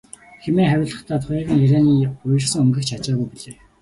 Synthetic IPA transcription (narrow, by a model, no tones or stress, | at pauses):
xemeːχæɾʲʊːɮə̆χt̪ʰæːt̪χʊːɣə̆ŋiɾeːniːʊj̆rsɘ̆ŋɵmɡɘ̆xt͡ɕʰat͡ɕaːɣujpiɮeː